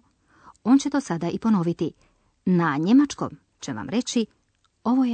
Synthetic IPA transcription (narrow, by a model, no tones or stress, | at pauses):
o̞ːnt͡ɕet̪o̞sad̪aʔipo̞no̞ʋit̪i | naɲe̞mat͡ʃko̰m | t͡ɕeʋa̰mɾe̞t͡ɕi | o̞ʋoje